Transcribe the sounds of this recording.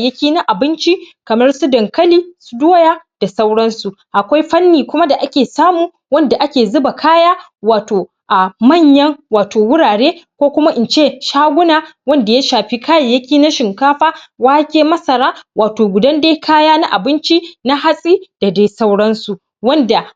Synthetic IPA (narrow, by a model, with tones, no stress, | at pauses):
jɐ˦kʲiː˦na˦ʔa˨bɪ˦nt͡ʃi˦kɐ˨mɐ˦rsu˦dɐ˨ŋkɐ˦liː˦su̥˦doː˦jaː˦d̥a˨sa˦wɽɐ˦nsu˨ | ʔa˨kʷa˦jɸɐ˦nːiː˨kʷʊ˦ma˦da˨ʔa˦kʲeː˨saː˦muː˨ | wɐ˦nda˨ʔa˦kʲeː˨zʊ˦ba˨kʰaː˦jaː˦ | waː˨toː˨ | ʔa˨mɐ˦˨ɲjɐ˦ŋwaː˨tʰoː˨wʊ˦ɽaː˨ɽeː˦kʷoː˦kʷʊ˦ma˦ʔɪ˨nt͡ʃeː˦˨ʃaː˦ɡʷʊ˦naː˨wɐ˦nda˨ja˦ʃaː˨ɸi˦kaː˦ja˨jɐ˦kʲiː˦na˦ʃɪ˨ŋkaː˦ɸaː˦waː˦kʲeː˦mɐ˦sɐ˨ɾaː˦waː˨toː˨ɡʷʊ˨dɐ˦nda˦kʰaː˦jaː˦na˦ʔa˨bɪ˦nt͡ʃi˦na˦ɦa˦sʼiː˦d̥a˨da˦jsa˦wɽɐ˦nsu˨ | wɐ˦nda˨